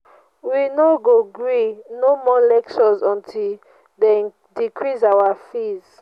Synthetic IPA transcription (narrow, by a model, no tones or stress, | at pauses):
winɔɡoɡɹinomɔlɛkt͡ʃɔzɔ̃ntʰil | de | dikʰɹisawafiz̥